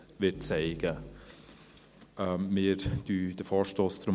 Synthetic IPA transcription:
ʋɪtt͡sɛɪɡ̥ə | əmɪːɾd̥yːd̥əfɔːʃtoːstɾʊm

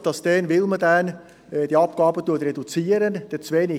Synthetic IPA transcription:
d̥ɑsd̥ɛnʋɪlmədæn | d̥iɑp̚ɡ̥ɑːbətuətrɛdut͡siːəɾənd̥ɛt͡sʋeːnɪ

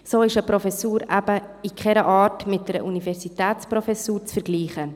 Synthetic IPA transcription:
soːɪʃəpɾɔfɛsuːɾæbə | ikχɛɾəʔɑːtmɪt̚d̥ɛɾəʔunivɛɾsitɛːt͡spɾofɛsuːɾt͡sfɛɾɡliːχə

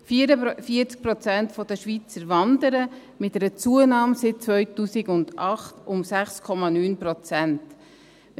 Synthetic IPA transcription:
fiɾəfiət͡sk̚pɾɔt͡sæntfɔd̥̪əʃʋit͡səɾʋɑnd̪əɾə | mɪt̪ɛɾət͡suənɑːmsɪt̚t͡sʋœɥtuːsiɡʊndɑχtʊmsæχskʰɔmɑnyːnpɾɔt͡sænt

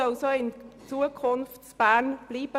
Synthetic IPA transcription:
ɔlsoːɪnt͡suəkʰʊnftt͡sb̥æːnb̥liːb̥ə

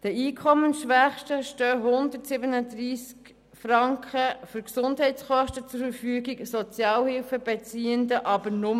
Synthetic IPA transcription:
d̥əiːkʰɔmːənʃʋæχʃtəʃtœːɦʊnd̪əɾtsɪbənəd̪ɾiːsk | frɑŋkχəfʏɾksʊndɦɛɪtsχɔʃtət͡sʊɾfəɾfyːəɡiksɔt͡sjɑːlhɪlfəbɛt͡siːənd̪əʔɑbəɾnʊm

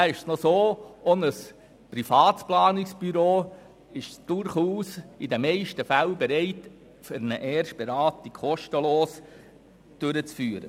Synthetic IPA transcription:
æɪʃsnɔsoːɔnəs | pɾifɑːt̪splɑːnɪksb̥yɾoː | ɪʃd̥ʊɾχuːsidəmɛɪʃtəfælbɛɾɛɪt | fʏɾnəʔɛːrʃ̚b̥eɾɑːtikʰɔʃtəloːs | d̥ʏɾət͡sfyːɾə̰

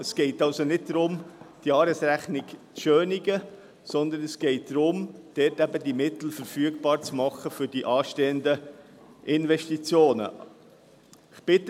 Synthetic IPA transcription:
əsɡ̥ɛɪtɑlsonɪd̚d̥ɾʊmd̥jɑːɾəsɾæχnɪɡt͡sʃøːnɪɡə | sɔnd̪ənəsɡ̥ɛɪt̚d̥̪ɾʊmd̥ɛtæbədimɪt̪l̩fəɾfyːəɡbɑːɾt͡smɑχəfʏɾd̥iʔɑːʃteːənd̪ə | ʔɪnʋɛʃtit͡sjoːnə̰ | ɪχb̥ɪt

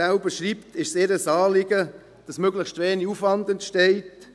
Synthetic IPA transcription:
aʊbəʃɾiːptɪʃsɪɾəsɑːlɪɡə | d̥ɑsmøɡləxʃtveːniufʋɑndəntʃtɛɪt

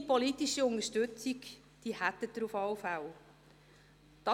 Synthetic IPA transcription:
polit̪iʃiʊnəʃtɵt͡sik | d̪̥iːhæt̪ːəd̪ɾufɔwfaw | d̪̥ɑ

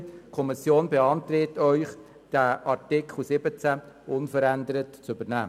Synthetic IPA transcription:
kʰɔmɪsjoːnbeɑntɾetœʏχ | d̥æʔɑɾtɪkʰl̩sɪbət͡sæ | ʊnfəɾænd̪əɾətt͡sʏbəɾnæ̰ː

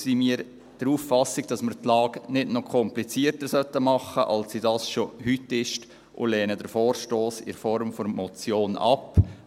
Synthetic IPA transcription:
simiːəɾ | d̥əɾuːfːɑsɪɡd̥ɑsməɾt̪lɑːɡnɪdnɔkʰɔmplit͡siːəɾtəɾsœtːəmɑχəʔɑlsːidɑːsʃohytɪʃt | ʔʊ̰lɛːnədəɾfɔːɾʃtoːsɪ̰ɾfɔɾmfɔɾmɔt͡sjoːnɑ̰p

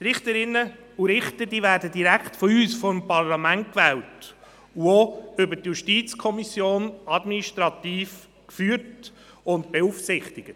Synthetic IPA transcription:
tɾɪχtəɾɪnːə | uɾɪχtədiːvæːɾdədiɾækχtfɔyːsfɔmpɑrlɑmænt̚kvɛːlt | uoʏbətjuʃtiːt͡skʰɔmisjoːnɑdminiʃtɾɑt̪iːf | kfyːɾt | ʊntbeuːfsɪχtɪɡə

